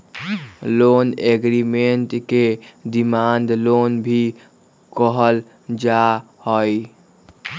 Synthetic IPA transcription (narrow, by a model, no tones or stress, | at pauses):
loneɡɾimeɳʈked̪imand̪lonbʱi | kɔɦəl | d͡ʒa | hɔj